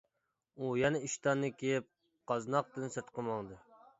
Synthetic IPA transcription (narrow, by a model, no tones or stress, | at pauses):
ujɛnɛiʃt̪ɑnːɨkʲʰejɪp̚ | qɑznɑq̚t̪ɨnsɨɾt̪qəmɑŋd̪ɨ